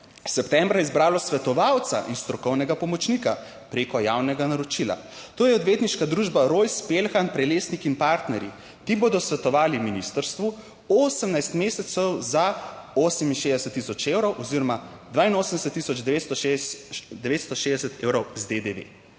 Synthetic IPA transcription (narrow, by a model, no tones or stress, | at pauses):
sɛpt̪ɛmbɾajɛizbɾaːlɔsʋɛt̪ɔʋawt̪sa̰ʔinst̪ɾɔkɔwnɛɡapɔmɔt͡ʃnika | pɾeːkɔjaːwnɛɡanaɾɔt͡ʃila̰ | t̪oːjɛɔd̪ʋeːt̪niʃkad̪ɾuːʒbaɾojspelxanpɾɛleːsnikinpaɾt̪nɛɾḭ | t̪iboːd̪ɔsʋɛt̪ɔʋaːliminist̪əɾst̪ʋu | oːsəmnajst̪meːsɛt̪sɛwzaoːsəminʃeːzd̪ɛsɛt̪ːisɔt͡ʃewɾɔwʔɔziɾɔmad̪ʋaːinoːsəmnd̪ɛsɛt̪ːisɔd͡ʒd̪ɛʋet̪st̪ɔʃ | d̪ɛʋet̪st̪ɔʃeːzd̪ɛsɛt̪eːwɾɔwzd̪ed̪eʋḛ